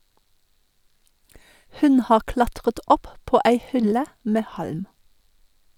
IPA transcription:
ˈhʉn ˈhɑːʁ ˈklɑtʁət ˈɔpˌpoː ˈæɪ ˈhʏlə ˈmɛ ˈhɑlm

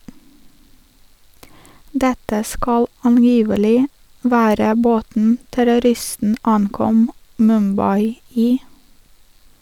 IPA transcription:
ˈdɛtə ˈskɑl ɑnˈjiːʋəlɪ ˈʋæːɾə ˈboːtn̩ tæɾʊˈɾɪstn̩ ˈɑŋˌkɔm mʉmˈbɑɪ ˈiː

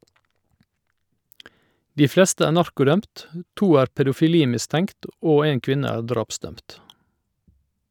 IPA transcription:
ˈdiː ˈflɛstə ˈæːɾ ˈnɑɾkʊˌdœmt ə ˈtuː ˈæːɾ pɛdʊfɪˈliːmɪˌstɛŋkt ˈoː ˈeːŋ ˈkʋɪnə ˈæːɾ ˈdɾɑːpˌsdœmt

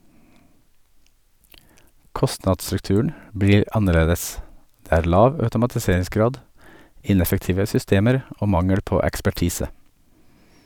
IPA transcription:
ˈkɔstnɑdsɾʉkˌtʉːəɳ̩ ˈbɹiːɾ ˈɑnəˌɭeːdəs ˈdeː ˈæːɾ ˈlɑːʋ œʉtʊmɑtɪˈseːɹɪsˌɡɾɑːd ˈɪnɛfəkˌtiːʋə sʏˈsteːməɾ ˈoː ˈmɑŋəɽ ˈpoː ɛkspæˈʈiːsə

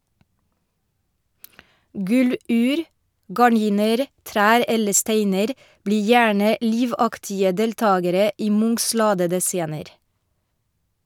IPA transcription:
ˈɡʉˌlʉːɾ ɡɑˈɳiːnəɾ ˈtɾæːɾ ˈɛlə ˈsteɪnəɾ ˈbliː ˈjæːɳə ˈliːʋɑktɪə ˈdɛlˌtɑːɡəɾə ˈiː ˈmʊŋs ˈlɑːdədə ˈseːnəɾ

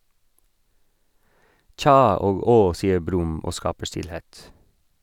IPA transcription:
ˈtçɑː ˈoːɡ ˈoː ˈsiːə ˈbɾʉm ˈoː ˈskɑːpə ˈʃtɪlˌheːt

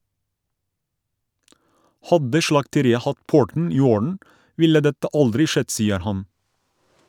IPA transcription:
ˈhɑdə ʃɭɑktəˈɾiːə ˈhɑt ˈpʊɹtn̩ ˈiː ˈoːɹn̩ ˈʋɪlə ˈdɛtə ˈʔɑldɾɪ ˈʃɛd ˈsiːəɾ ˈhɑn

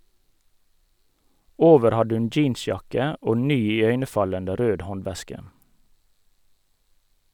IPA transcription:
ˈoːʋəɾ ˈhɑd ˈʉn ˈd͡ʒiːnˌsjɑkə ˈoː ˈnyː ɪˈœʏnəˌfɑləndə ˈɾøːd ˈhɔnˌʋɛskə

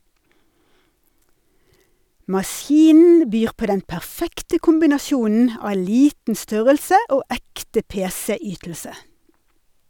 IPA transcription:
mɑˈsjiːnn̩ ˈbyːʁ ˈpoː ˈdɛn pæʁˈfɛktə kʊmbɪnɑˈsjuːnn̩ ˈɑː ˈliːtn̩ ˈstœʁəlsə ˈoː ˈɛktə ˈpeːsɛ ˈyːtl̩sə

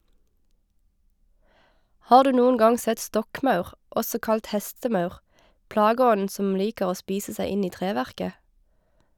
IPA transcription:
ˈhɑːʁ ˈdʉː ˈnuːʊn ˈɡɑŋ ˈsɛt ˈstɔkˌmɑʉʁ ˈʔɔsɔ ˈkɑlt ˈhɛstəˌmɑʉʁ ˈplɑːɡəˌɔnn̩ ˈsɔm ˈliːkəʁ ˈoː ˈspiːsə ˈsæɪ ˈɪn ˈiː ˈtʁeːˌʋæʁkə

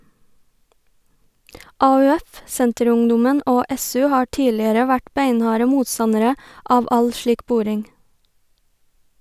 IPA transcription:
ɑʉˈɛf ˈsɛntəˌɾʊŋˌdʊmən ˈoː ˈɛˌsʉː ˈhɑː ˈʈiːlɪəɾə ˈʋæʈ ˈbæɪnˌhɑːɾə ˈmuːtˌsɑnəɾə ˈɑːʋ ˈɑl ˈʃɭiːk ˈbʊɾɪŋ

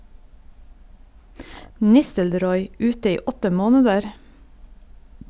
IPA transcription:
ˈnɪstəlɾɔʏ ˈʉːtə ˈiː ˈɔtə ˈmoːnədəɾ

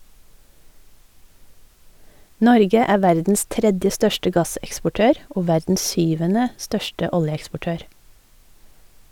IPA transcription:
ˈnɔɾɡə ˈæːɾ ˈʋæɾdn̩s ˈtɾɛdjə ˈstœʃtə ˈɡɑsɛkspɔˌʈøːɾ ˈoː ˈʋæɾdn̩s ˈsʏʋənə ˈstœʃtə ˈɔljəɛkspɔˌʈøːɾ

